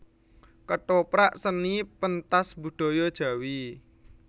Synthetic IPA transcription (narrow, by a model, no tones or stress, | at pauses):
kəʈopɾaʔsənipənt̪asbṳɖ̪̥ɔ̤jɔd̥ʒ̥ä̤wi